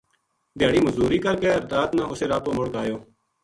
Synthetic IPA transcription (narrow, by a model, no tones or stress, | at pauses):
b̪ɪjaːɽiːməzuːɾiːkəɾkeːəɾd̪aːt̪nãːʔʊseːɾaːp̪oːmʊɽɡaːjoː